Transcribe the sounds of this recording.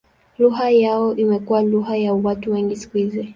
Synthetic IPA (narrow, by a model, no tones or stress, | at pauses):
luɦajaɔʔimɛkuwaluɦajawatuwɛŋɡisi̥kuhizɛ